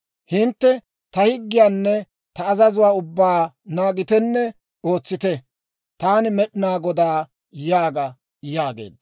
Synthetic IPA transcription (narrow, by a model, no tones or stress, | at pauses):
hɪnt̪ːɛ | t̪ɐhɪɡːɪjaːnːɛ | t̪ɐːzɐzʊwaːʊbːaː | naːɡɪt̪ɛnːɛ | o̞ːt͡sːɪt̪ɛ | t̪aːnɪmɛɗɪnaːɡɔd̪aː | jaːɡɐ | jaːɡḛːd̪ːɐ